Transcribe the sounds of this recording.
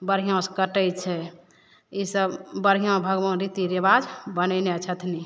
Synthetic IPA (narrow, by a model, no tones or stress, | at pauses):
bəɾɦijõskəʈəjt͡ʃʰɛ | isəbbəɾɦijõbʱəɡʋə̃nɾit̪iɾebad͡ʒbənɛneət͡ʃʰət̪ʰni